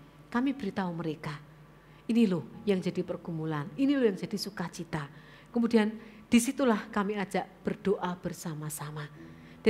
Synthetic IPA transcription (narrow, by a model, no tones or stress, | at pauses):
kamib̥əɾit̪auməɾeka | inilʊhjaŋd͡ʒadipərɡ̥umulaninilojaŋd͡ʒad̥isukat͡ʃit̪a | kəmudian | d̥isit̪ulahkamiad͡ʒ̥aʔb̥ərd̥oʔab̥ərsamasama | d̥a